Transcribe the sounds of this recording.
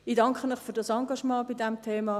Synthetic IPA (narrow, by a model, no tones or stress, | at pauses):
idɑŋkχənɪχfyːɾdɑsɑŋɡɑʃmɑ̃ːbidɛmtʰeːmɑː